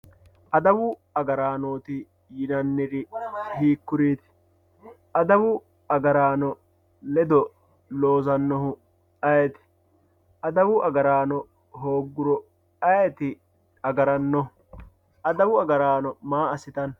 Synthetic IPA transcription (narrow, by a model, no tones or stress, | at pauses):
ʔɐd̪ɐwʊɐɡɐɾaːnoːt̪ɪ | jɪnɐnːɪɾɪhiːkːʊɾiːt̪ɪ̥ | ʔɐd̪ɐwʊ | ɐɡɐɾaːnɔ | lɛd̪ɔ | lo̞ːzɐnːɔɦʊ | ɐjɛt̪ɪ̥ | ʔɐd̪ɐwʊʔɐɡɐɾaːnɔ | ɦoːɡːʊɾɔ | ɐjɛt̪ɪ | ɐɡɐɾɐnːɔ | ʔɐd̪ɐwʊɐɡɐɾaːnɔmaːɐsɪt̪ɐn